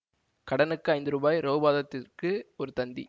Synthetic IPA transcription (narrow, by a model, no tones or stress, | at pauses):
kɐɽɐnɯkːɯɐɪnd̪ɯɾuːbaːjɾoːbaːðɐt̪ːɪrkɯɔɾɯt̪ɐnd̪ḭ